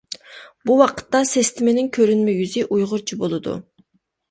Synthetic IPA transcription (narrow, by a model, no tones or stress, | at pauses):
buwɑqʰə̥t̪ːɑsest̪ʰɪmenɪŋkʲʰøɾynmɛjyzɪʔujʁʊɾt͡ʃʰibolˠɨd̪ṵ